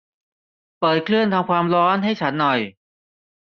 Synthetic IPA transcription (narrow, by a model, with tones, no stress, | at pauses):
pɤː˨˩t̪̚kʰlɯ˥˩ənt̪ʰa˧mkʰwaː˧mɾɔː˦˥nɦa˥˩jt͡ɕʰa˦˥nːɔ˨˩j